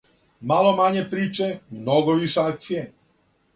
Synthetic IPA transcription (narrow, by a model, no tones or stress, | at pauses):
malˠomaɲepɾiːt͡ʃemnoɡoʋiʃeakt̪sije